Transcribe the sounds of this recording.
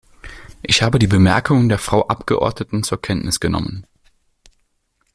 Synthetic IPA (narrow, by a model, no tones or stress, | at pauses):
ʔɪçhaːbədiːbəmɛɐkʰʊŋəndeːɐfʁ̥aʊʔapɡ̥əʔɔ̰ɐdnətn̩t͡suːɐkʰɛntnɪsɡ̥ənɔ̰mə̰n